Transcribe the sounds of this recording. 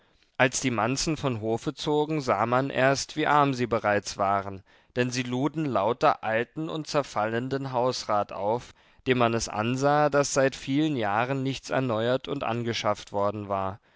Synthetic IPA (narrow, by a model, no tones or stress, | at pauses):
ʔalsd̥iːmant͡sn̩fɔnɦoːfət͡soːɡŋ̩zaːmanʔḛːɐstv̥iːʔaɐmziːbəʁaɪt͡sv̥aːʁən | d̥ɛnziːluːdn̩laʊtɐʔaltn̩ʊ̰nt̚t͡sɛɐfaləndənɦaʊsʁaːtʔa̰ʊf | d̥eːnmanɛsʔa̰nzaːdasz̥aɪtfiːlənjaːʁənːɪçt͡sɛ̰ɐnɔʏɐtʰʊntʔa̰nɡəʃaftv̥ɔɐdn̩vaːɐ